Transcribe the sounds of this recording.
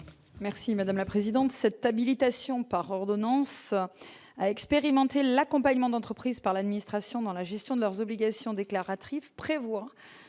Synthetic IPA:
mɛʁsimad̪amlapχezid̪ɑ̃t̪sɛt̪abilit̪asjɔ̃paʁɔʁd̪ɔnɑ̃s | aɛkspeʁimɑ̃t̪elakɔ̃paɲmɑ̃d̪ɑ̃t̪χəpχizpaʁlad̪minist̪χasjɔ̃d̪ɑ̃laʒɛst̪jɔ̃d̪əlœʁzɔbliɡasjɔ̃d̪eklaʁat̪χivpχevwa

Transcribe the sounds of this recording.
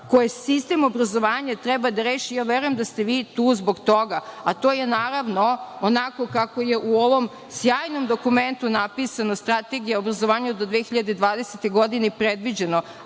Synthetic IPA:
kojesist̪emo̞bɾazo̞ʋaːɲat̪ɾebad̪aɾeːʃijaːʋeɾujemd̪ast̪e̞ʋiːt̪uːzboɡt̪o̞ɡaat̪o̞ːje̞naːɾaʋno̞onako̞kako̞je̞ʔuo̞ʋo̞m | sjaːjno̞md̪o̞kument̪unapisanost̪ɾat̪e̞ɡijaobɾazo̞ʋaːɲaod̪d̪ʋexiʎad̪ed̪ʋaːd̪eset̪eɡo̞d̪inepɾed̪ʋid͡ʑe̞no

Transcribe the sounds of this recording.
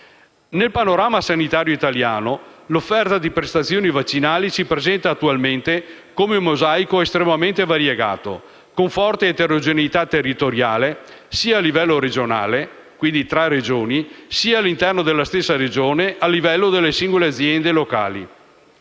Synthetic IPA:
nelpanoɾaːmasanit̪aːɾjoit̪aljaːnolofːɛrt̪ad̪ipɾest̪at̪sːjoːnivat͡ʃːinaːlisipɾezɛnt̪aːt̪ːualment̪ekomeumːozajkoest̪ɾemament̪evaɾjeɡa̰ːt̪o̰ | koɱfɔrt̪eːt̪eɾod͡ʒenit̪at̪ːerːit̪oɾjaːle | siːaːlːivɛlːoɾed͡ʒona̰ːle | kwind̪it̪ɾared͡ʒoːnisiaːlːint̪ɛrnod̪elːast̪esːaɾed͡ʒoːneʔalːivɛlːod̪elːesiŋɡolead̪zjɛnd̪eloka̰ːlḭ

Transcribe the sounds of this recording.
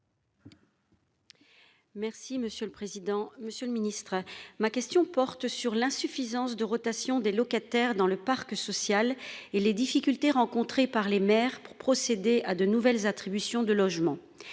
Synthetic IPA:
mɛʁsiməsjøləpχezid̪ɑ̃məsjøləminist̪χəmakʲɛst̪jɔ̃pɔʁt̪syʁlɛ̃syfizɑ̃sd̪əʁɔt̪asjɔ̃d̪elɔkat̪ɛʁd̪ɑ̃ləpaʁksɔsjaleled̪ifikʲylt̪eʁɑ̃kɔ̃t̪χepaʁlemɛːʁpuʁpχɔsed̪eʔad̪ənuvɛlzat̪χibysjɔ̃d̪əlɔʒmɑ̃

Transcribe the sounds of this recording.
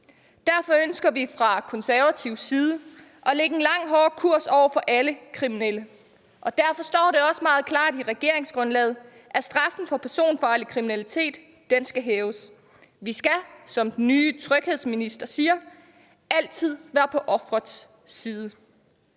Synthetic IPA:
d̥æɐfɒ̽ønsɡ̥ɐʋifʁɑ̈kʰɒ̽nsæɐʋæt͡sʰiʊsiːð̞ˠə | ʔɒ̽leɡ̥əenlɑ̈ŋ̰ɦɒːkʰuɐ̰sɒʊ̰ɐfɒ̽ʔæləkʰʁiminelə | ʔɒ̽d̥æɐfɒ̽sd̥ɒ̰ːɾe̝ɒ̽səmɑ̈ːð̩ˠkʰlɑ̰̈ːd̥iʁɛɡ̥e̝ɐ̰e̝ŋsɡ̥ʁɔ̽nlɛ̰ːð̞̩ˠ | ʔæsd̥ʁɑ̈fn̩fɒ̽pʰæɐso̝̰ːnfɒləkʰʁiminælit͡sʰe̝̰ːd̥ː | ensɡ̥æɦɛːʊs | ʋisɡ̥æsɒ̽md̥n̩ːyːt͡sʰʁœɡ̥he̝ð̞̰ˠsminisd̥ɐsiːɐ | æl̰t͡sʰið̞̰ˠʋæːɐpʰɒ̽ʔɒ̽fʁɐs | iːðˠə

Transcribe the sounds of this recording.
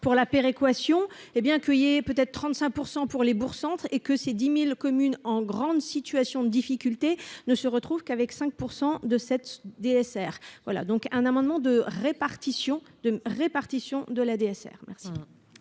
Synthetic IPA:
puʁlapeʁekwasjɔ̃ebjɛ̃kəilɛpøt̪ɛt̪χt̪χɑ̃t̪sɛ̃k̚puʁsɑ̃puʁlebuʁsɑ̃t̪χekəsed̪imilkɔmynɑ̃ɡʁɑ̃d̪sit̪yasjɔ̃d̪əd̪ifikʲylt̪enəsəʁət̪χuvkavɛksɛ̃k̚puʁsɑ̃d̪əsɛt̪d̪eɛsɛːʁvwala̰d̪ɔ̃kɛ̃namɑ̃d̪mɑ̃d̪əʁepaʁt̪isjɔ̃d̪əʁepaʁt̪isjɔ̃d̪əlad̪eɛsɛ̰ːʁmɛ̰ʁsi̥

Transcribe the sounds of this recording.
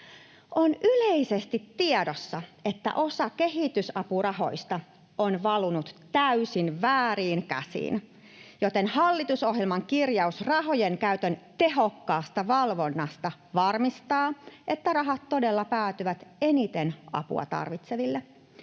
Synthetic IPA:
ʔonʔyleisest̪it̪ːiɛdosːɑet̪ːæ̰ʔo̞sɑke̞ɦit̪ysɑpurɑɦo̞̰jst̪ɑ | onʋɑlunut̪tæysinʋæːriːnkæ̰sḭːn | jo̞t̪e̞nhɑlːit̪uso̞ɦjelmɑŋkirjɑusrɑɦo̞jeŋkæyt̪ønt̪e̞ɦokːɑːst̪ɑʋɑlʋo̞nːɑst̪ɑ | ʋɑrmist̪ɑːʔe̞t̪ːærɑɦɑt̪tːo̞de̞lːɑpæːt̪yʋæt̪e̞nit̪enɑ̰pṵɑ̰t̪ɑ̰rʋit̪se̞ʋilːe

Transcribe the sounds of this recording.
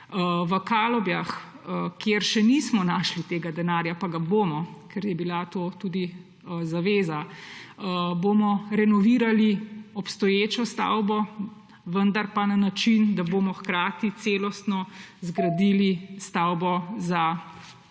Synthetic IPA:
ʋəkaːlɔbjax | kjeɾʃɛnismɔnaːʃlit̪eːɡad̪ɛnaːɾjapaɡaboːmɔkɛɾjɛbilat̪oːt̪uːd̪i | zaʋeːzaəbomɔɾɛnɔʋiːɾaliɔpst̪ɔjeːt͡ʃɔst̪a̰wbɔ | ʋənd̪aɾpananat͡ʃind̪aboːmɔxkɾaːt̪it̪seːlɔst̪nɔzɡɾad̪ilist̪awbɔza

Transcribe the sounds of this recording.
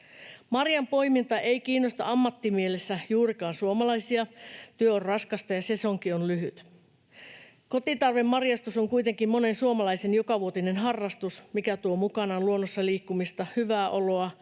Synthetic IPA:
mɑrjɑmpo̞imint̪ɑʔeikiːnːost̪ɑ̰ɑmːɑt̪ːimielesːæjuːrikɑːnsuomɑlɑjsiɑt̪yøorrɑskɑst̪ɑjɑse̞soŋkionlyɦyt̪ | ko̞t̪it̪ɑrʋemːɑrjɑst̪usoŋkuit̪e̞ŋkimmo̞ne̞nsuomɑlɑisenjokɑʋuot̪ine̞nɦɑrːɑst̪usmikæt̪uomukɑnɑluonːosːɑliːkːumist̪ɑhyʋæːʔoloɑ

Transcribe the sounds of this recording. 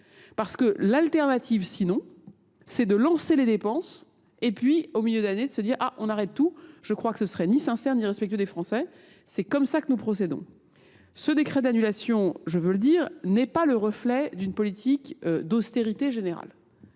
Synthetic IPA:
paʁsə̥kəlalt̪ɛʁnat̪ʰivsinɔ̃ː | ɛd̪əlɑ̃seled̪epɑ̃s | epɥiomiljød̪aned̪əsəd̪iʁa̰ʔɔ̃naʁɛt̪ːuʒ̥əkχwakə̥səsəʁɛnisɛ̃sɛʁniʁɛspɛk̚t̪yɥød̪efχɑ̃sɛ | sɛkɔmsakənupχɔs̬ed̪ɔ̰̃ | səd̪ekχɛd̪anylasjɔ̃ʒəvələd̪iːʁnɛpaləʁəflɛd̪ynpɔlit̪ʰikd̪ost̪eʁit̪eʒeneʁa̰l

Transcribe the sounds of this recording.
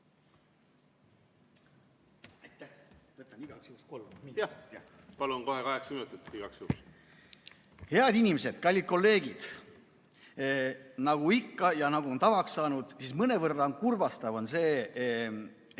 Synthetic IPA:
ɑjt̪ːæhvɤt̪ːˑɑniɡ̥ɑksjuːksko̞lːj | pɑlunko̞hekɑɦeksɑminut̪ːˑit̪ːiɡ̥ɑksjuːks | he̞ɑd̪inʲimese̞d̪̥kɑlʲːid̪̚ko̞lːe̞ːɡ̥id̪̥ | nɑɡ̥uikːɑjɑnɑɡ̥uo̞nt̪ɑvɑksːɑːnud̪̥sismɤne̞vɤrːɑonkurvɑst̪ɑvo̞nse̞ː

